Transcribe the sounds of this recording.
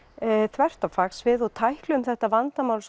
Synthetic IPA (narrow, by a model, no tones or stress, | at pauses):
θvɛr̥t̪awfaksvɪðɔɣt̪ʰajhklʏʏmθɛht̪avant̪amaːwls